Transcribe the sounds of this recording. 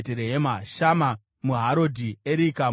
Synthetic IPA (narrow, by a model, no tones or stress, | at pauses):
teɾeɦemaʃama | muɦaɾodʱieɾika